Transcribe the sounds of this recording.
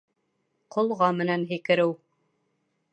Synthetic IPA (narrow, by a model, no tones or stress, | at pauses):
qŏlˠʁɑmɘ̆nænɦikɘ̆ɾɘw